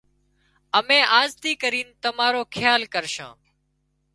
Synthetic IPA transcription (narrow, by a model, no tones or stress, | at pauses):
əmẽːʔaːzt̪iːkəɾiːnt̪əmaːɾoːkʰɪjaːlkəɾʃã̰ː